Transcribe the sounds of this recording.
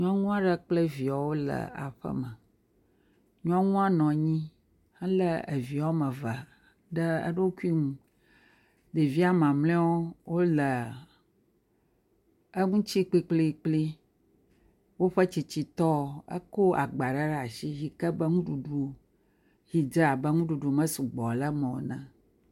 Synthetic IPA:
ɲɔ̃˦ŋũ˦a˦ɖə˦k͡ple˦vi˨a˨wo˦lə̰˨a̰˨ɸə̰˦mə˨ | ɲɔ̃˦ŋũ˦a˦nɔ̃˨ɲĩ˦ | hə˦lə˦e˨vi˨ɔ˦mə̃˨va˨ | ɖə˦ə̰˦ɖe˦wo˦ku˦i˦ŋũ˦ | d̪e˨vi˦a˦mã˨mlẽ˦wo˦wo˦lə˨ | ə˦ŋũ˦t͡ɕi˦k͡pi˦k͡ple˦˨k͡pli˦ | wo˦ɸə˦t͡ɕi˨t͡ɕi˨t̪ɔ˦˨ə̰˦ko˦a˨ɡ͡ba˨ɖə˦ɖa˨ʃi˦ɦi˨kə˦bə˦ŋũ˦ɖu˨ɖu˦ | ɣi˨d͡ʒə˦a˨bə˦ŋũ˦ɖu˨ɖu˨mə̃˦su˨ɡ͡bɔ˨lə˦mɛ̃˨wo˨nã˨

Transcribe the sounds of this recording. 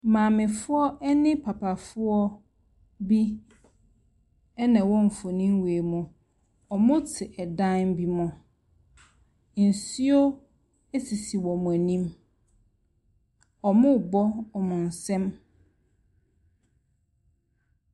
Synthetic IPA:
mãː˨mɪ̃˨fʊ˦ɔ˦ʔɛ˦nɪ̃˦pʰa˨pʰa˨fʊ˦ɔ˦ | bi˦ | ɛ˦nã˨wɔ̃˦ɱ̩˨fo˨nĩ˦m˦weː˨mʊ̃˨ | ɔ˨mʊ̃˦tʰɪ˨ʔɛ˨dã˦nbi˦mɔ̃˨ | n̩˨si˦o˦ | æ˦si˨si˨wɔ˨mʊ̃˨æ˨nĩ˦m | ɔ˨mʊ̃˦˨bɔ˦ɔ˨mʊ̃˨n̩˨sɛ̃˦m

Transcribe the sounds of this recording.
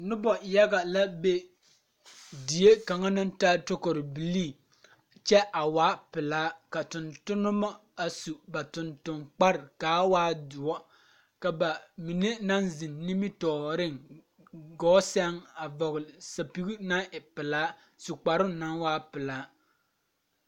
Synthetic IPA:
nʊ˦bɔ˨ja˦ɡa˨la˦be˦ | di˨je˦ka˨ŋa˦nɨ˦ntaː˦to˦ko˨ɾɪ˨bi˨liː˦˨ | t͡ʃɛ˦ʔa˨waː˦pɪ˨laː˦ka˨tʊ˨ntʊ˦nʊ˦ma˦ | a˨su˨ba˨tʊ˨ntʊ˨nk͡pa˦ɾɪ˨kaː˨˦waː˦dʊ˨ɔ˦ | ka˨ba˨mi˨ne˦na˦nzi˨nːi˦mi˦tɔː˨ɾɪ˦ŋ | ɡɔː˦sɛ˦ŋa˨vɔ˨ɣlsa˨pi˦ɡi˦na˦ɪ˨pɪ˨laː˦ | su˨k͡pa˨ɾʊ˦na˦ŋwaː˦pɪ˨laː˦

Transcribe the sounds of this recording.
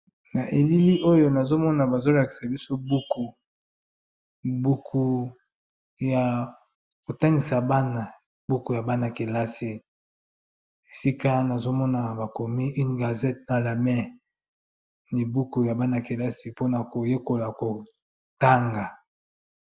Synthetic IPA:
na˨ʔe˨li˦li˦ʔo˦jo˦na˨zo˦mɔ˦na˨ba˨zo˦la˨ki̥˨sa˨bi˦so˦bu˦ku˨ | bu˦kʰu˦ | ja˨ | ko˨ta˦ŋɡi˨sa˨ba˦na˨ | bu˦ku˨ja˨ba˦na˨ke˨la˦si˨ | e˨si˦ka˦na˨zo˦mɔ˦na˨ba˨ko˨mi˦ʔi˦n˨ɡa˨zɛ˦tna˨la˨mɛ˦ | ni˨bu˦ku˨ja˨ba˦na˨ke˨la˦si˦po˦na˨ko˨je˦ko˨la˨ko˨ | ta˦ŋɡa˨

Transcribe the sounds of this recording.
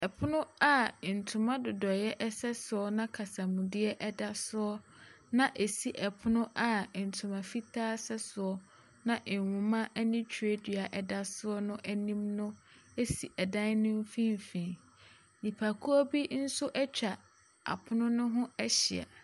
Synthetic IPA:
ɛ˨pʰʊ˦nʊ̃˦a˦˨n̩˨tʰʊ̃˨mã˦dʊ˨dɔ˨jɛ˦ʔɛ˦sɛ˦sʊ˨ɔ˦nã˦kʰa˨sa˨mũ˨dɪ˦ɛ˦ʔɛ˦da˦sʊ˦ɔ˦ | nã˦˨ʔe˨si˦ʔɛ˨pʰʊ˦nʊ̃˦ʔa˨n̩˨tʰʊ̃˨mã˨fi˦tʰaː˦sɛ˦sʊ˨ɔ˦ | nã˦ʔɪ˨wʊ̃˨mã˦ʔɛ˦nɪ̃˦t͡ɕʰe˦dɥa˨ʔɛ˨da˦sʊ˦ɔ˦nʊ̃˦ʔɛ˦nĩ˦mnʊ̃˦e˦si˨ʔɛ˨dã˦nnʊ̃˦m˦fĩ˦m˨fĩ˨ | nĩ˨pʰa˨kʰu˦ɔ˦bi˦n̩˦sʊ˦ʔɛ˦t͡ɕᶣa˨ | a̰˨pʰʊ˦nʊ̃˦nʊ̃˦ɦʊ̃˦ɛ˦ɕɪ˨a̰˨

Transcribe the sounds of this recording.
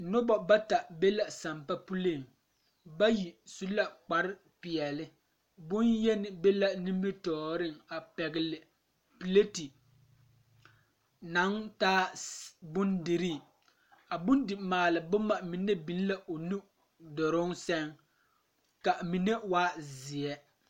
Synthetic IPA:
nʊ˦bɔ˨ba˦ta˨be˦la˨sa˨mpa˦pu˦le˦˨ŋ | ba˦ji˨su˦la˦k͡pa˨ɾɪ˦ | pɪ˨ɛ˨lɪ˦ | bʊ˦njɛ˦nɪ˨be˦la˦ni˦m˦bi˦tɔː˨ɾɪ˦ŋa˨pɛ˨ɡɪ˨lɪ˨ | pi˨le˦ti˨ | na˨˦ŋtaː˦bʊ˦ndɪ˨ɾi˦˨ | a˨bʊ˦ndɪ˨maː˨lɪ˨bʊ˦ma˨mi˨ne˦bi˨˦n˦la˨ʔo˨nu˦ | dɔ˨ɾʊ˦ŋsɛ˦ŋ | ka˨mi˨ne˦waː˦zɪ˨ɛ˦

